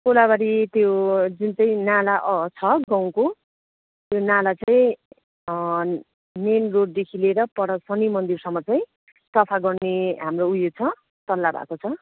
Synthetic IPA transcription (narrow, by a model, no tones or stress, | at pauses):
kolabaɾit̪jod͡zint͡sʌĩnalaʔt͡sʰʌɡãw̃ko | t̪jonalat͡sajĩ | nenroɖ̚d̪ekʰileɾʌpʌɽʌsʌnimʌnd̪irsʌmːʌt͡saĩ | sʌpʰaɡʌrneɦamroujot͡sʰʌ | t̪ʌlːabʱa̰kot͡sʰʌ